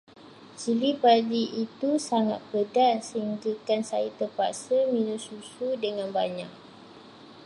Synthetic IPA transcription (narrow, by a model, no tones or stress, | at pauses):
t͡ʃilipadiʔit̪usaŋa̰t̪̚pədasəhiŋɡəkansa̰jit̪əpa̰səmĩnũsusudəŋãnba̰ɲa̰k̚